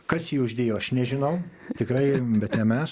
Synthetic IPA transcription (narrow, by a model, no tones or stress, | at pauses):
kɐsjiːʊʒʲd̪ʲeːjoːɐʃnʲɛʒʲɪnɐʊ | t̪ʲɪkɾɐɪbʲɛt̪nʲɛmʲɛs